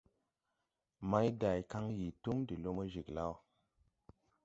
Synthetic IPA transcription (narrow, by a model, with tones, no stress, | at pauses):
ma˦jda˨jka˦ŋji˨tu˦ŋdi˨lo˦mə˦ʒi˨kla˦w